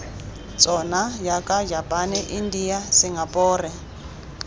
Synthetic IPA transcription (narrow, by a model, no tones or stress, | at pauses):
t͡sʼɔnajakad͡ʒapʼanɛʔindijasiŋɡapʼɔːrɛ